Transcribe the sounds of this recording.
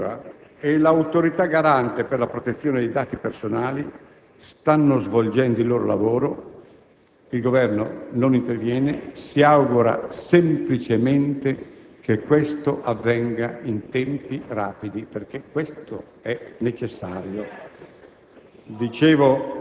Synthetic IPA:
aelawt̪oɾit̪aɡaɾant̪eperlapɾot̪et̪sːjoːned̪ejd̪aːt̪ipersonaːli | st̪anːozvold͡ʒɛnd̪oilːoːɾolavoːɾo | ilɡovɛrno̰nonint̪ervjɛːnesiawɡuɾa̰semplit͡ʃement̪ekekːwest̪oʔavːɛŋɡaint̪ɛmpiraːpid̪iperk̟ekwest̪o | ɛnet͡ʃesːa̰ːɾjo | d̪it͡ʃeːvo

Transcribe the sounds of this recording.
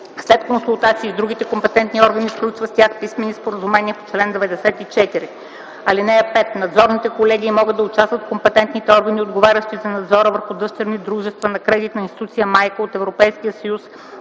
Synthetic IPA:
slɛt̪konsulˠt̪at̪siːd̪ɾuɡʲit̪ɛkompɛt̪ɛnt̪niɔɾɡənisklʲut͡ʃvəstʲjaxpismɛnːispoɾəzumɛnʲiɛpo̥t͡ʃlɛnd̪vɛd̪ɛsɛt̪it͡ʃɛt̪iɾi | ɐlinɛəpɛt̪nɐd̪zɔɾnit̪ɛkolɛɡiːmɔɡɤd̪ːɐʊt͡ʃast̪vət̪kompɛt̪ɛnt̪nit̪ɛɔɾɡəniod̪ɡovaɾʲəʃt̪izɐnɐd̪zɔɾəvəɾxud̪ɤʃt̪ɛɾnid̪ɾuʒɛst̪vənɐkɾɛd̪it̪nɐinst̪i̥t̪ut̪sijəmajkəot̪ɛvɾopɛjskijəsɐjus

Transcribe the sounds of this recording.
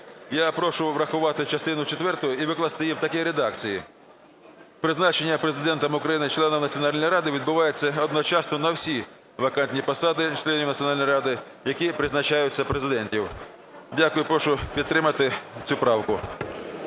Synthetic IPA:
japɾɔʃʊʋɾɐxʊʋɑt̪ɪt͡ʃɐst̪ɪnʊt͡ʃet̪ʋɛrt̪ɔjɔiʋɪklˠɐst̪ɪjiwt̪ɐkɛɾed̪ɑk̚t͡sʲiji | pɾɪznɑt͡ʃenʲːɐpɾezɪd̪ɛnt̪ɐmʊkɾɐjinɪt͡ʃlˠɛnɔwnɐtt͡sʲsʲiɔnɑlʲnɔjɾɑd̪ɪʋʲid̪bʊʋɑjet͡sʲːɐɔd̪nɔt͡ʃɑsnɔnɐwsʲi | ʋɐkɑnʲtʲnʲipɐsɑd̪ɪt͡ʃlˠɛnʲiw̪ɐt͡sʲjɔnɑlʲnɔjɾɑd̪ɪ | jɐkʲipɾɪznɐt͡ʃɑjʊt͡sʲːɐpɾezɪd̪ɛnʲtʲiw | dʲakʊjʊpɾɔʃʊpʲid̪t̪t̪ːɾɪmɐt̪ɪt͡sʲupɾɑwkʊ

